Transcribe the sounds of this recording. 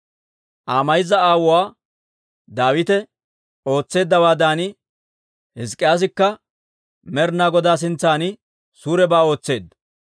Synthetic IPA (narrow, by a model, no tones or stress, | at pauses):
ʔaːmɐjɪzɐaːwʊwaː | d̪aːwɪt̪ɛ | o̞ːt͡sːe̞ːd̪ːɐwaːd̪aːnɪ | hɪs̬kʼːɪjaːs̬ɪkːɐ | mɛɾnaːɡɔd̪aːs̬ɪnt͡sːaːnɪ | suːɾɛbaːo̞ːt͡sːe̞ːd̪ɐ